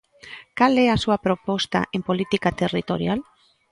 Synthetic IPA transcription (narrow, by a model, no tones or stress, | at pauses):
kaleasuapɾopost̪a̰ʔempo̞lit̪ikat̪erit̪oɾjal